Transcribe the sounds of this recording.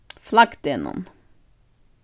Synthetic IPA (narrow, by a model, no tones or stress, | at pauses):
flɑkt̪jɛnɔ̰m